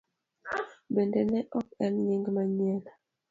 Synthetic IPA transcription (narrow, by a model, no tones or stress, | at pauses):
bendɛnɛʔɔk̚ɛmɲiŋɡmaɲɛl